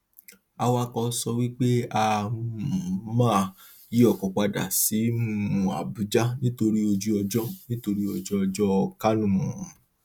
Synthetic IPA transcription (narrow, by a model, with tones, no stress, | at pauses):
a˧wa˦kɔ˧˦sɔ˧wi˦k͡pe˦a˧˦˨ | mãː˦˨ | ji˦ɔ˦˨kɔ̃˨k͡pa˧da̰˨si˨˦mũ˦˨ũ˨a̰˨bu˨˦d͡ʒa˦nĩ˦to˧ɾi˦o˧d͡ʒu˦ɔ˧d͡ʒɔ˦nĩ˦to˧ɾi˦ɔ˧d͡ʒɔ˦ɔ˧d͡ʒɔ˦ɔ˧ka˦nũ˦˨mũ˨